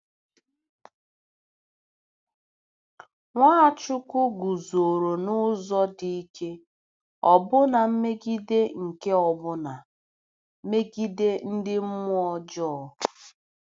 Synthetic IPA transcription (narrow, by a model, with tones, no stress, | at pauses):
ŋʷaː˦˨t͡ʃʊ˦kʷʊ˦ɡu˨zo˨ɾo˨nʊ˦zɔ˦di˦i˦ke˦ | ɔ˨bʊ˦na˨m̩˦me˦ɡi˦de˦ŋ̩˨ke˦ɔ˨bʊ˦na˨ | me˦ɡi˦de˦n̩˦dɪ˦m̩˦mʊ˦ɔ˦d͡ʒɔ˦˨˦